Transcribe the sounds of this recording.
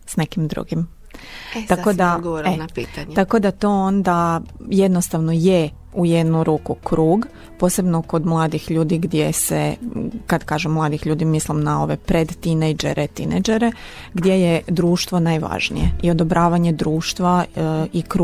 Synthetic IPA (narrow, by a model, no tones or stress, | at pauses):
snekimd̪ɾṵɡim | t̪akod̪aɡooɾeapiːt̪aɲt̪ako̞d̪at̪o̞ːond̪ajed̪no̞st̪aʋnoje | ujed̪nuɾuːkukɾuːɡ | po̞ːse̞bnoko̞d̪mlˠaːd̪ixʎuːd̪iɡd̪jesekad̪kaːʒemːlˠaːd̪ixʎuːd̪imislˠimnao̞ʋepɾed̪t̪inejd͡ʒḛɾʔet̪inejd͡ʒeɾe | ɡd̪jejed̪ɾuːʃt̪ʋo̞naːjʋa̰ʒnḭjeio̞d̪o̞bɾaːʋaɲed̪ɾuːʃt̪ʋaikɾu